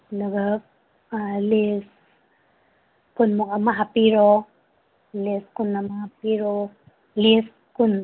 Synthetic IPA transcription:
luɡa | ales | kunmokamaɦapiɾo | leskunːamahapiɾo | les | kun

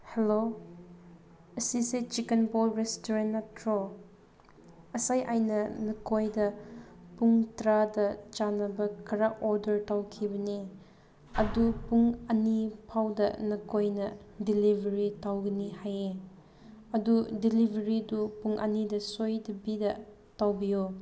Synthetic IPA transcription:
helo | ɐsiset͡ʃikenpolɾestoɾenatɾo | ɐsajʔajnɐnɐkojdɐpuŋtɾadɐt͡ʃanɐbɐkʰɐɾaʔoɾdɐɾtawkʰibɐni | ɐdupuŋɐnipʰawdɐ̰nɐkojnɐdilibʱɐɾitawɡɐnihaje | ɐdudilibʱɐɾidupuŋʔɐ̰nidɐsojdɐbidɐ | tawbijo

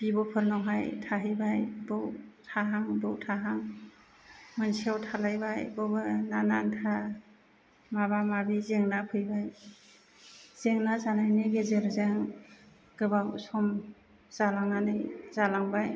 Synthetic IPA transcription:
b̥ibɔpʰɯɾnɔwɦajtʰaɦɯjbajbɔwtʰaɦaŋbɯwtʰaɦaŋ | mɯnsiawtʰalajbajbɔbɯnanantʰa | maβamabizeŋnapʰɯjbaj | zeŋnazanajnɯɡezeɾzaŋ | ɡ̥ɯbawsɔm | z̥alaŋanɯjzalaŋbaj

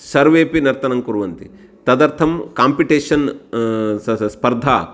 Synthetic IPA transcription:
sɐɾʋeːpinɐɾt̪ɐnɐmkuɾʋɐnt̪i | t̪ɐd̪ɐɾt̪ʰɐmkaːmpiʈeːʂɐn | spɐɾd̪ʱaː

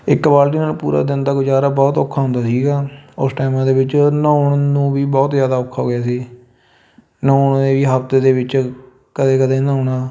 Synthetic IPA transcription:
ɪkʋaːlʈ̬iːnaːlpuːɾa̰ːd̪ɪnd̪aːkod͡ʒaːɾaːbɔːt̪okʰːaːɦʊ̃nd̪aːsiːɡaːʊsʈaːmãːd̪eːbɪt͡ʃnãːʊɳnũːʋiːbɔːt̪zjaːd̪aːʊkʰːaːɦoːɡɪjaːsiː | nãːʊɳd̪eːʋiːɦəbt̪eːd̪eːʋɪt͡ʃ | kəd̪eːkəd̪eːnãːʊɳaː

